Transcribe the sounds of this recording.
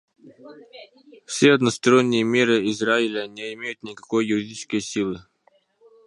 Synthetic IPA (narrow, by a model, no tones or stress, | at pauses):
fsʲeɐd̪nəst̪ɐɾo̞nʲːɪjəmʲe̞ɾɨɪzraɪlʲənʲeɪmʲejʊt̪nʲɪkɐko̞jːʊɾʲɪdʲit͡ɕɪ̥skəjsʲilˠɨ